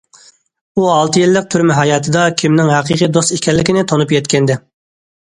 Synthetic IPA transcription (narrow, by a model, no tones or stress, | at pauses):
uɑlˠt̪ʰɨjilːək̚t̪ʰyɾmɪɦɑjɑːt̪ʰɨd̪ɑkʲʰimnɪŋɦæqʰəqʰijd̪ost̪ikʲɛlːɪkʲɪnɪt̪ʰonupjɛt̪kʲʰɛnd̪ɪ